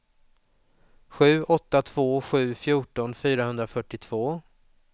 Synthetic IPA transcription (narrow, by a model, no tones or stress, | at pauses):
ɧʉ̟ːʔɔt̪ːat̪ʰv̥oːɧʉ̟ːfjuːʈɔnfyːɾahɵnd̪ɾafœʈːɪt̪ʰv̥oː